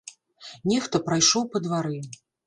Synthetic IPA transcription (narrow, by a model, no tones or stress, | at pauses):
nʲɛxt̪ɐpɾajʂɔwpɐd̪vaɾɨ